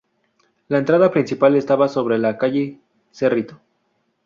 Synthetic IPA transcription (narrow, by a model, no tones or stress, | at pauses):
laent̪ɾaðapɾinsipale̞st̪aβaso̞βɾelakaʝe | serit̪o